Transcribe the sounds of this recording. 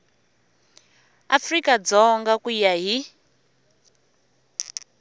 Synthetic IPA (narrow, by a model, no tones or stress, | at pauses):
afrikad͡zɔŋɡakujaɦi